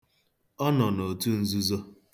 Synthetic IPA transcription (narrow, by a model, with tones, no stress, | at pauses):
ɔ˦nɔ˨no˨tu˦n̩˦zu˦zo˦